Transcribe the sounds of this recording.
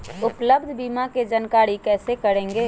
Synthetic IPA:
ʊpləbd̪ʱbiːmaked͡ʒənkaːɽikɛːsekəɾẽːŋɡeː

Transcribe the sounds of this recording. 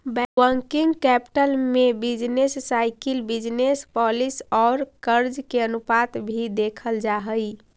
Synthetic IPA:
bɛəŋkiŋɡkɛpi̥ʈəlmebid͡ʒnesːajkilbid͡ʒnespɔlisɔːɾkəɾd͡ʒkeənupat̪bʱid̪ekʰəld͡ʒaɦəj

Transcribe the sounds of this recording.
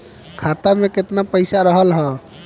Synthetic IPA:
kʰat̪ameket̪napəɪsaɾəɦəlɦə

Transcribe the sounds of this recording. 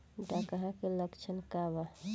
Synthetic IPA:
ɖakaɦakiləkt͡ʃʰənkaba

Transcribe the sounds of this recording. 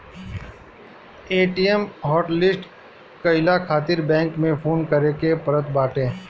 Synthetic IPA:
eːʈijɛmɦɔːʈlɪsʈ | kɐɪlakʰaːt̪ɪɾbɛ̃ːŋkmẽpʰoːnkəɾekepəɾət̪̚baːʈẽː

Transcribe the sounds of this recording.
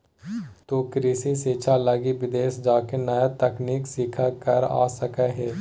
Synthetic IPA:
t̪oːkɾiːsiseːt͡ʃʰaləɡiʋɪd̪eːsd͡ʒaːkenəjat̪əkniːksɪkʰakəɾa̰ːsəkəɦɛː

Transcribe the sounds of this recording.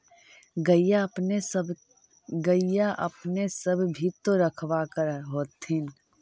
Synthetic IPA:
ɡəjapne | ɡəijaʔəpnesəbʱbʱit̪oɾəkʰwakəɾɦoːt̪in

